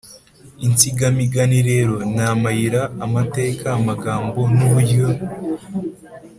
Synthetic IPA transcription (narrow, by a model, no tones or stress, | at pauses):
int͡siɡamiɡaniɾe̞ːɾo̞naːmajiɾaːmate̞ːkaːmaɡaːmbo̞nuβujo